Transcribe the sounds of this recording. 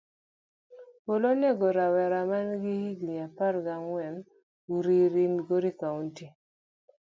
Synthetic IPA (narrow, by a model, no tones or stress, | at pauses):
polonɛɡoɾawɛɾamanɡihiɡliapaɾɡaŋwɛn | uɾiɾinɡoɾikaunti